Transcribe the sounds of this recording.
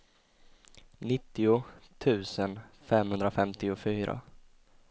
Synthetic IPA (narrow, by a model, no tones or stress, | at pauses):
nɪt̪ːɪʊt̪ʰʉ̟ːsənfɛmhɵnd̪ɾafɛmt̪ɪʊfyːɾa̰